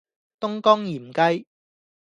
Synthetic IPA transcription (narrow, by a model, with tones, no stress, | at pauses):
t̪ʊ˥ŋkɔː˥ŋjiː˨˩m̩˨kɐ˥j